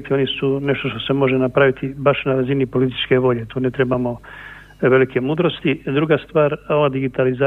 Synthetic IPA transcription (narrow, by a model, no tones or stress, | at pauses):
t̪io̞nisuneʃt̪o̞ʃt̪o̞se̞mo̞ʒenapɾaʋit̪ibaʃnaɾazinipo̞lit̪i̥t͡ʃke̞ʋo̞ʎe̞t̪uːnet̪ɾebamo̞ | ʋe̞likʰe̞muːd̪ɾo̞st̪id̪ɾuɡast̪ʋaːɾoʋad̪iɡit̪alizaː